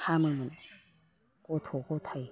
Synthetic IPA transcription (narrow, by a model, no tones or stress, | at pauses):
hʰaːmɯmɨn | koːt̪ʰoːkoːt̪ʰaj